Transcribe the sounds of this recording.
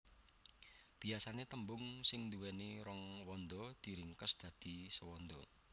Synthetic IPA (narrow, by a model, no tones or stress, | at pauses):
b̥i̤asanet̪əmbʊŋsɪŋnd̪uwɛniɾɔŋwɔnd̪ɔd̪̥i̤ɾɪŋkəsd̪̥ä̤d̪̥i̤səwɔnd̪ɔ